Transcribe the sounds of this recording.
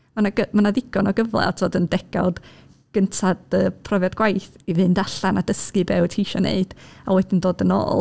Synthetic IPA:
manaɡəmanaðɪɡɔnɔɡəvlˠɛ̰ɔtʰoːdəndɛɡ̥a̰ld̥ | ɡ̥əntʰadəːpʰrɔvjadɡwajθivɨndaɬanadəskɨbɛwtʰijʃɔnḛɨd̥awɛdɪndoːdəno̰ːlˠ

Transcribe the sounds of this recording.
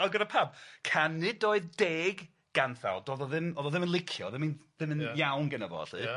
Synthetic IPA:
ɔɡəɾapʰabkʰanːɪdoːɨðdeːɡ | ɡ̥anθa̰lˠdoːðɔðɪmoːðɔðɪmənlˠɪkʰjɔ̰ðɪminðɪmənjawnɡənəvɔ̰ɬɨ̰ː

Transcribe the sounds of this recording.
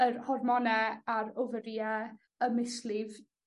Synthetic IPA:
ərhɔrmɔnɛaɾʊvəɾjɛ | əmɪslɪv

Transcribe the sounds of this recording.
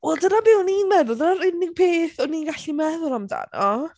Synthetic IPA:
wɛlˠdənabɪwninmɛðʊlˠdənaɾɪnɪɡ̥̚pʰeːθɔniːnɡaɬimɛðʊlˠamda̰nɔ

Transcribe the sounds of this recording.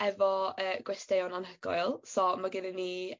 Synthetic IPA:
ɛvɔəːɡ̥wɛstejɔnanɦəɡɔ̰jlˠsɔmaɡɪnənːi

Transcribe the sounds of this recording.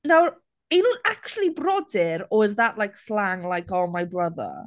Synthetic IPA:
naw | enũnak̚t͡ʃulˠibrɔdɪɾɔdðaʔlˠajkslaŋlˠajkɔmajbrəðə̰

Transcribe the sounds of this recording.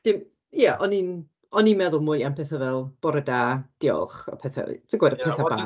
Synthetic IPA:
d̥ɪm | jɛʔɔnin | ɔninmɛðʊlˠmʊjampʰɛθavɛlˠb̥ɔɾədaːd̥ɪɔ̰lˠχə̰pʰɛθa̰t͡sʰəɡwɛdəpʰɛθaba

